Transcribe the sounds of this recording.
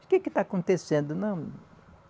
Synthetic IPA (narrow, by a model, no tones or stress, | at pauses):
kekɪt̪aakõnt̪esẽnd̪ʊnɐ̃w̃